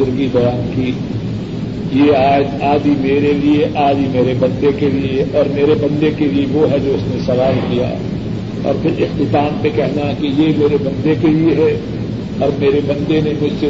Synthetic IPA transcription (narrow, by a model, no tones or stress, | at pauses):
ʊɾɡibɐjaːnki | jeaːd͡ʒaːd̪imeːɾelieʔaːd̪imeːɾebɐ̃nd̪ekelieɔːɾmeːɾebɐ̃nd̪ekelieʋoɦɛd͡ʒoːʊsnesɐʋaːlkija̰ | ɔ̰ːɾpʰɪɾɪxt̪ɪt̪aːmpekɛɦnaɦɛkijemeːɾebɐ̃nd̪ekelieɦɛ | ɔːɾmeːɾebɐ̃nd̪enemʊd͡ʒʱse